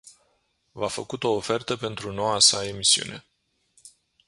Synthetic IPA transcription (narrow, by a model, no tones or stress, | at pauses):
vafə̰kut̪o̞ːfe̞rt̪əpe̞nt̪ɾuno̞wasae̞misiṵne̞̰